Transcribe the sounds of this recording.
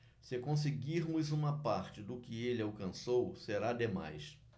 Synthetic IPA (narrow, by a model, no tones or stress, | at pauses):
sɪkõs̬ɪɡiɾmʊzũmɐpaɾt͡ʃɪd̪ʊkɪelɪawkɐ̃sowseɾad̪ema̰js